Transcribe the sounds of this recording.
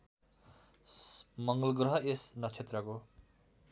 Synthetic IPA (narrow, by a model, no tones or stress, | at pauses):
mʌŋɡʌlɡrʌɦʌesnʌt͡sʰet̪rʌko